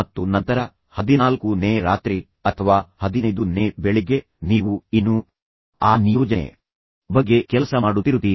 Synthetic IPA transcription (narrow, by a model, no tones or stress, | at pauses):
ɐt̪ːunɐnt̪ɐɾɐ | hɐd̪inaːlkuneːɾaːt̪ɾi | ɐt̪ʰɐʋaːhɐd̪inɐjd̪uneːbeɭiɡe | niːʋuinːu | aːnijɔːd͡ʒɐ̰ | bɐɡːe̞kɛlɐsɐmaːɽut̪ːiɾut̪iː